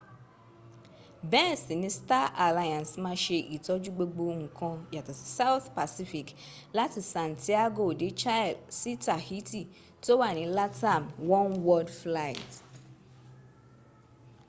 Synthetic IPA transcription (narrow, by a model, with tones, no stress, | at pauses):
bɛ̃˦˨si˨nɪ̃˨˦sta˦ʔa˨la˦jã˨nsmã˦ʃe˨ʔi˨tɔ˦d͡ʒu˦ɡ͡be˦ɡ͡bo˦ŋ̩˨kʰɔ̃˦ja˨tɪ˨sa˦wʊ˦θpa˨si˦fi˨k | la˦tɪ˨sã˨ntʰi˦a˦ɡo˨de˨t͡ʃa˦˨lsi˦tʰa˨hi˦ti˨ | to˦wa˨nɪ̃˨la˦tʰã˨mwɔ̃˦nwɔ˦dfla˦i˨t